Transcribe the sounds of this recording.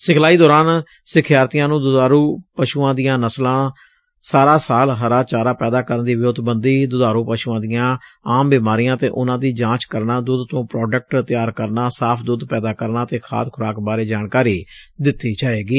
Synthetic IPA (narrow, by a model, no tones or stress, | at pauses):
sɪkʰlaːiːd̪ɔːɾaːn | sɪkʰjaːɾt̪ijãːnũːd̪ʊd̪aːɾuːpəʃuːãːd̪ɪjãːnəslãː | saːɾaːsaːlɦəɾaːt͡ʃaːɾaːpɛːd̪aːkəɾənd̪iːʋɪoːd̪bənd̪iːd̪ʊd̪aːɾũːpəʃuːãːd̪ɪjãːaːmbɪːmaːɾijãːt̪ḛːʔʊnãːd̪iːd͡ʒãːt͡ʃkəɾnaːd̪uːd̪t̪õːpɾɔːɖək̚ʈt̪ɪjaːɾkəɾnaːsaːpʰd̪uːd̪pɛːd̪aːkəɾnaːt̪eːkʰa̰ːt̪kʰʊɾaːkbaːɾeːd͡ʒaːɳkaːɾiːd̪ɪt̪ːiːd͡ʒaːeːɡiː